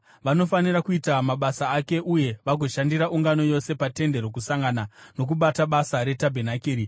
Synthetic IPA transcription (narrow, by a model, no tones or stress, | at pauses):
ʋano̞fanirakuitamaɓasaːke̞ʔuje̞ʋaɡʱo̞ʃandiɾaʔuŋɡano̞jo̞se̞pate̞nde̞ɾok̬usaŋɡanano̞k̬uɓataɓasaɾe̞tabʱenakiːɾi